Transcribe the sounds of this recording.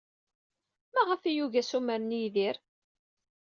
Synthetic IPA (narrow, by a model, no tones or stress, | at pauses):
mæʁəfijuʝæsuməɾnjðiɾ